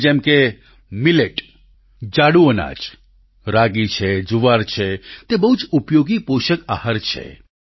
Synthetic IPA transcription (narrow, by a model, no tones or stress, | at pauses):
d͡ʒɛ̃mke | mileʈ | d͡ʒaɽuəna̰d͡ʒ | ɾaɡit͡ʃʰed͡ʒuʋaɾt͡ʃʰet̪ebəɦut͡ʃupjoɡipoʃəka̰həɾt͡ʃʰḛ